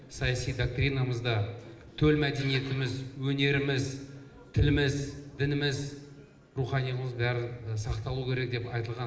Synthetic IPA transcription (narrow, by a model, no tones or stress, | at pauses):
sɑjɑsijd̪ok̚t̪rijnaməzd̪ɑ | t̪ʰɵlmæd̪e̞nije̞t̪ɪmɪzwɵne̞ɾɪmɪz | t̪ʰɪlɪmɪzd̪ɪnɪmɪz | ruχɑnijməzbæɾɪsɑqt̪ɑlˠukʲʰe̞ɾe̞k̚d̪e̞pɑjt̪əlˠʁɑ